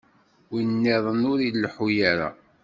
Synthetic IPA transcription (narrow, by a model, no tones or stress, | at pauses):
winːeðˤənʊɾilːħujaɾa̰